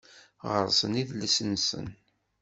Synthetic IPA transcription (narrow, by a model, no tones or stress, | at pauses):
ʁə̰ɾˤsə̰niðləsənsə̰n